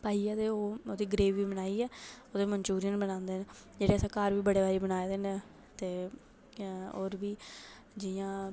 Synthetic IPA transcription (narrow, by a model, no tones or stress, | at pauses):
paːiːɛːt̪eːoːoːd̪iːɡəɾeːʋːiːbənaːiːɛːoːd̪eːməɲt͡ʃuːɾɪjənbənãːnd̪eːnd͡ʒeːɽeːəsãːkaːɾʋiːbəɽeːʋaːɾiːbənaːed̪eːn | t̪eː | oːɾʋiː | d͡ʒɪjãː